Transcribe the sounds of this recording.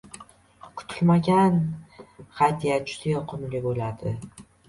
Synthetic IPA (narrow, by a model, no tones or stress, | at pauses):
kʰʊ̥t̪ʰɪlmaɡʲan | hajd̪ijad͡ʒʊ̥d̪ajɒqʰʊmlɪbolad̪ɪ